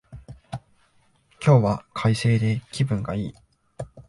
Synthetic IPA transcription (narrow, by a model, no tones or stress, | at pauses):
kʲo̞ːβakʰaise̞ːd̪e̞kʲibɯ̟̃ŋɡa̰iː